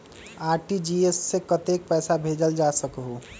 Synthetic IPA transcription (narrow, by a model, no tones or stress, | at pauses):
aːɾʈid͡ʒiesːekət̪ek̚pɛːsabʱed͡ʒəld͡ʒasəkɦu